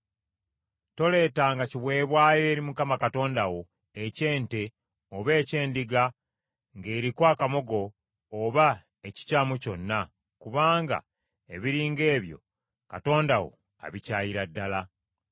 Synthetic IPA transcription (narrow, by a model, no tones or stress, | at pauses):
to̞le̞ːtaŋɡaciβwe̞ːβwaːjeːɾimukamakato̞ːndawo̞ | ece̞ːnte̞ | oβe̞ːce̞ːndiɡa | ŋɡe̞ːɾikwaːkamo̞ɡo̞ː | βa | eci̥caːmuco̞nːa | kuβaːŋɡa̰ | eβiɾiːŋɡe̞ːβjo̞̰ | kato̞ːndawo̞̰ | a̰βicaːjiɾadːala